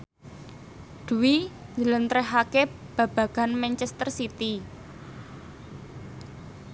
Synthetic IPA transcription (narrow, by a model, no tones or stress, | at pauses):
d̪̥uwiɲələnt̪ɾəɦake | b̥ä̤b̥ä̤ɡ̥a̤nmɛnt͡ʃɛst̪ərsit̪i